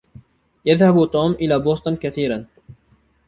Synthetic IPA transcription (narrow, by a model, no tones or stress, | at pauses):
jaðhabut̪ˤoːmʔɪlaːboːst̪ˤʊnkaθiːɾan